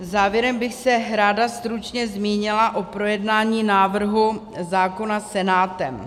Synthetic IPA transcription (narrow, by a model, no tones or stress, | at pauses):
zaːvjɛɾɛmbɪxsɛɾaːdast̪ɾut͡ʃɲɛzmiːɲɪlaʔo̞pɾo̞jɛdnaːɲiːnaːvr̩ɦu | zaːko̞nasɛnaːt̪ɛm